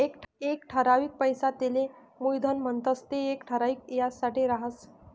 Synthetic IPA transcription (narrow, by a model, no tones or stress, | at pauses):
ekekʈʰəɾaʋiːk̚pəjsat̪ele | mujd̪ʱənm̤əɳt̪əst̪eːkʈʰəɾaʋiːkjasaʈiɾaɦəs